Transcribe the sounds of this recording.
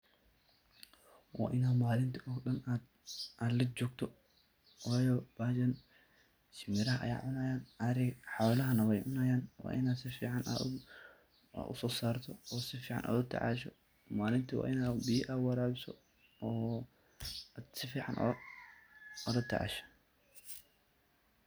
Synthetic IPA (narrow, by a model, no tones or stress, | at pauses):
wa̰ːʔɪnaːd̪maːlɪnt̪ʰiɔːɡɗɐnaːd̪ | ʔɐlɐt͡ʃɔːɡ̚t̪ʰɔ | waːjɔb̥aːd͡ʒɐn | t͡ʃɪmɪɾɐɦɐʔɐ̰ja̰ːʕʊnaːjaːnʔɐɾɪɡħɔːlɐɦɐnɐwɛjʕʊnaːjaːnwa̰ːʔɪnaːd̪sɪfiːʕɑna̰ | ʔʊ̰sɔːsaːrt̪ʰɔɔːsɪfiːʕɑ̰nʔa̰ːd̪ʊt̪ʰːɐ̰ʕɑ̰ːʃɔ | maːlɪnt̪ʰɐwa̰ːʔɪnaːbiːʔaːwɐɾaːbɪsɔ̰ː | ad̪sɪfiːʕɑ̰nʔɔ̰ | ɔd̪ɐt̪ʰːɛ̰ʕa̰ʃɔ̥